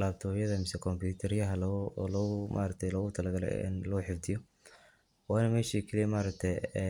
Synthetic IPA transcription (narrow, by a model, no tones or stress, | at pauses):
laːbt̪ʰɔːjɐðɐmɪsɛkʰɔmbjuːt̪ʰɐɾjɐɦɐllːɣʊmʔa̰ːɾɐk̚t̪ʰɛjlɔːɣʊt̪ʰɐlɐɡɐlɛ̰ɪ̰nlɐħɪfd̪ɪjɔ | waːnɐmɛːʃiːkʰɐlijmaːɾɐk̚t̪ʰɛjɛ